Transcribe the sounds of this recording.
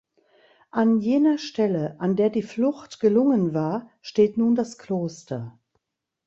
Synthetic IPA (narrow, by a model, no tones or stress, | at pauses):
ʔanjeːnɐʃtɛləʔandeːɐdiːflʊxtɡ̥əlʊŋənvaːɐʃteːtnuːndaskl̥oːstɐ